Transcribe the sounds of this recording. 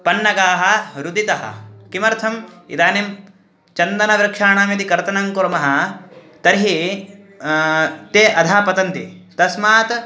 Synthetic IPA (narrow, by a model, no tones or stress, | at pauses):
pɐnːɐɡaːɦɐ̆ɾud̪it̪ɐɦɐ̰kimɐɾt̪ʰɐmḭd̪aːnem | t͡ʃɐnd̪ɐnɐʋɾɐkʂaːɳaːmjɐt̪ikɐɾt̪ɐnɐŋkuɾmɐɦɐ̆ | t̪ɐɾɦi | t̪eːʔɐd̪ʱaːpɐt̪ɐnt̪it̪ɐsmaːt̪